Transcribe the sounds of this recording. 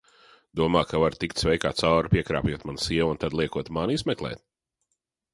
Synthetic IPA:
d̪̥uɔmaːkavaɾt̪ikt̪svɛjkaːt̪sawɾpʲiɛkɾa̰ːpjuɔt̪mansiɛwunt̪ad̪lˠiɛkuɔt̪manizmɛklˠɛ̰ːt̪̚

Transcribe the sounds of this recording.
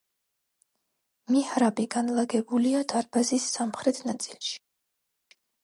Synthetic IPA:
mihɾabiɡanlˠaɡɛbuliad̪̥aɾbazisːamχɾɛt̪ʰnat̪sʼilˠʃi̥

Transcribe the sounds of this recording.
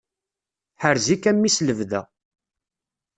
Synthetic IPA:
ħəɾzikːæmːisləvðæ̰

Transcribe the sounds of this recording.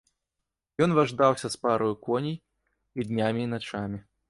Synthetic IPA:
jɔnvaʐd̪awsʲɐspaɾɔjukɔnʲij | id̪ʲnʲamʲiːnat͡ʂamʲi

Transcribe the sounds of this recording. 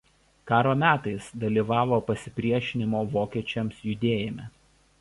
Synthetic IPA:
kɑːɾoːmʲæːt̪ɐɪsd̪ɐlʲiːʋɑːʋoːpɐsʲɪpʲɾʲiɛʃʲɪnʲɪmoːʋoːkʲiɛt͡ʃʲɛmsjʊd̪ʲeːjɪmʲɛ

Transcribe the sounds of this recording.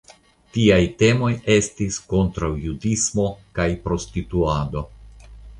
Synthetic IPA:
tiajte̞mo̞je̞stisko̞ntɾawjudismo̞kajpɾo̞stituado̞

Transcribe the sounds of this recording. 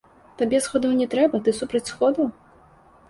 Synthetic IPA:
t̪abʲɛsxɔd̪ɐwnʲɛt̪ɾɛbɐt̪ɨsupɾɐt͡sʲsxɔd̪ɐw

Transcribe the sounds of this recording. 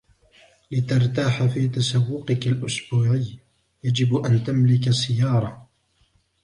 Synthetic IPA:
lɪt̪ɑɾˤt̪aːħafiːt̪asawːʊqɪkalʔʊsbuːʕɪjː | jad͡ʒɪbʔant̪amlɪkasɪjːɑːɾˤɑ

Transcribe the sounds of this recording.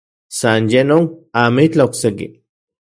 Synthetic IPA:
sanjenonamit͡ɬaoksekḭ

